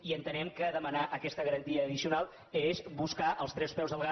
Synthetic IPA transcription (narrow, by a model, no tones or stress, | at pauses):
iənt̪ənɛmkəðəmənaʔəkɛst̪əɣəɾənt̪iəːðisiunalˠ | ezβuskaʔəlˠst̪ɾɛspɾɛwzðəlˠɣa